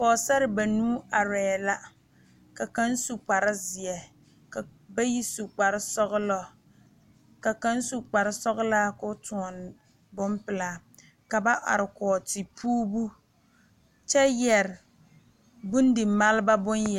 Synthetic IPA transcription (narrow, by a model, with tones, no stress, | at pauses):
kɔː˨sɛ˦ɾɪ˨ba˨nuː˦a˨ɾɛ˨la˦ | ka˨ka˦n˦su˨k͡pa˨ɾɪ˦zɪ˨ɛ˨ | ka˨ba˦ji˦su˨k͡pa˨ɾɪ˦sɔ˦ɣʊ˦lɔ˦ | ka˨ka˦n˦su˨k͡pa˨ɾɪ˦sɔ˦ɣʊ˦laː˦kʊ˦tu˨ɔ˨n˨ | bʊ˦mpɪ˨laː˨˦ | ka˨ba˦ʔa̰˨ɾɪ˨kɔː˨ti˨pʰuː˦bu˦ | t͡ʃɛ˦jɛ˨ɾɪ˨ | bʊ˦n˦dɪ˨ma˦lɪ˦ba˦bʊ˦nj